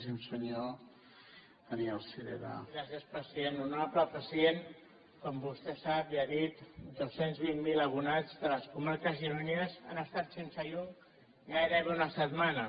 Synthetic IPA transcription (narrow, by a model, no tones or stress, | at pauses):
simsəɲo | ənialˠsiðḛða̰ɾasəspəsienunapləpəsjen | kɔmbust̪ɛsapiaðit̪d̪osenzβimmiləβunad͡zðələskumaɾkəzʒiɾuneəza̰nəst̪at̪sensəʎɔ | ɣajɾəβeunəsət̪manə